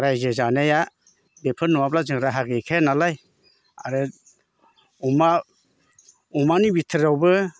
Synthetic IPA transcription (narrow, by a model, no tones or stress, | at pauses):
ɾajzezaneja | depʰɯnɔwaplazɯŋɾaɦaɡekʰajanalaj | aɾe | uma | umanibitʰɯɾawbɯ